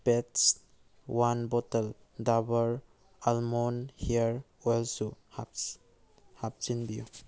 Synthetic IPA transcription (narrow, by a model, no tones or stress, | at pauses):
pets | wanbɔtəl | dabəɾ | almonhiəɾ | ɔjlsuha | hap̚t͡ʃinbiju